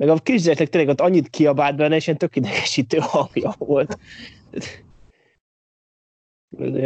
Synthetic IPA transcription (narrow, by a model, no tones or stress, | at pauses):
mɛɡɒkriʒd̪ɛʃnɛkt̪eːlɛɡot̪ːɒɲːit̪kʰiɒbaːd̪̚bɛnːɛʃɛnt̪økːid̪ɛɡɛ̥ʃiːt̪øːhɒŋɡjɒvolt̪ | o̰oj